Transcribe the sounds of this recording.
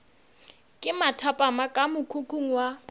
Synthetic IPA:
kʼɪmatʰapʼamakʼamʊkʰukʰuŋ̩wa

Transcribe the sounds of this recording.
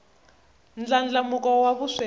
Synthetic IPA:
nd͡ɮand͡ɮamukɔwaβuswe

